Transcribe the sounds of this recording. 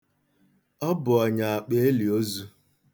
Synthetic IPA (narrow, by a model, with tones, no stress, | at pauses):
ɔ˦bʊ˨ɔ˨ɲa˨a˨k͡pe˨e˦li˨o˦zu˦